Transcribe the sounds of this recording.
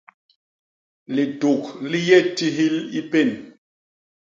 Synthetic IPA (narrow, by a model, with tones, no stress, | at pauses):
li˨to˨k̚li˦jɛ˦˨ti˦ɦi˦li˦pe˦˨n